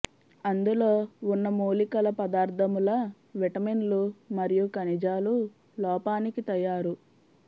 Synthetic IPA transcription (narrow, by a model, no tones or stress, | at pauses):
ɐnd̪ulo̞ːunːɐmuːlikɐlɐpɐd̪aːɾd̪ʱɐmulɐ | ʋɛʈɐminlumɐɾijukɐnid͡ʒaːlu | lɔːpaːnikit̪ɐjaːɾu